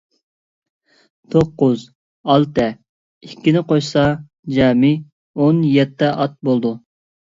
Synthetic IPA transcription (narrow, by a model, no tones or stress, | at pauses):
t̪ʰoqːʊz | ɑlˠt̪ʰɛ | ikʲʰːinɪqʰojsɑ | d͡ʒɑːmi | onjɛt̪ʰːɛʔɑt̪̚bolˠd̪u